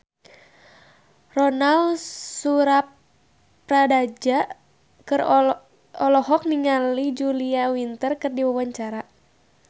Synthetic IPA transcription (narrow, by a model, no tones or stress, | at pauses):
rɔnalsuɾapː | radad͡ʒaʔ | kɨr | ɔlɔɦɔk̚niŋalid͡ʒuliawint̪ərkɨrdiwawaɲt͡ʃaɾa